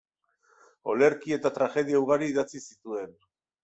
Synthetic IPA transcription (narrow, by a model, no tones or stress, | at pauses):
o̞̰le̞ɾkie̞t̪at̪ɾaxe̞ð̞iauɣ̞aɾiːðat͡sisit̪ue̞n